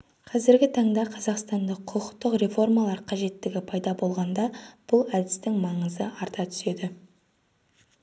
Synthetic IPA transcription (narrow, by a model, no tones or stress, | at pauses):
qʰɑzɪɾɡʲɪt̪ʰɑɴd̪ɑqʰɑzɑqst̪ɑnd̪əqqʰːʊqə̥qt̪ːəqɾe̞fo̞rmɑlˠɑɾqʰɑʒe̞t̪ːɪɡʲɪpʰɑjd̪ɑbo̞lˠʁɑnd̪ɑb̥ʊlˠæd̪ɪst̪ɪŋmɑɴəzəɑɾt̪ɑt̪ʰʏ̥se̞d̪ɪ